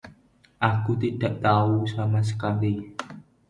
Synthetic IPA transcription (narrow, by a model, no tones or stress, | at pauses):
ʔakut̪iɖ̥aʔt̪ausamas̬ə̥kali